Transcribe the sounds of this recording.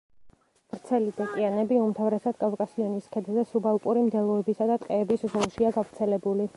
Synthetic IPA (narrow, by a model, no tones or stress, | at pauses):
vɾt̪sʰɛlid̪ɛk̪ʼianɛbiumt̪ʰavɾɛsad̪̥̚kʼalˠkʼasiɔniskʰɛd̪zɛsubalˠpʼuɾimd̪ɛlˠɔɛbisad̪at̪ʼqʼɛːbiszɔlˠʃiaɡavɾt̪sʰɛlɛbuli